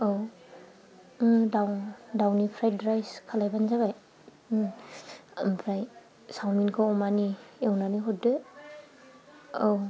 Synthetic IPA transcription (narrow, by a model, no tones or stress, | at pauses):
aw | dawdawnipʰɾaj̚dɾajskʰalajbanzaβaj | pʰɾaj | sawminkʰaɔmaniewnaniɦɔt̚dɯ | ow